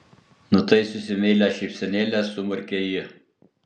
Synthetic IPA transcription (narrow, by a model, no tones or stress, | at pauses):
nʊt̪ɐɪsʊsʲɪmʲelʲæʃʲɛɪpʲsʲɛnʲeːlʲæsʊmʊɾʲkʲejɪ